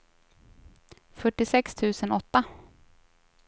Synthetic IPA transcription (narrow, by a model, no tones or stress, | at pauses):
fœʈːɪsɛkst̪ʰʉ̟ːsənɔt̪ːa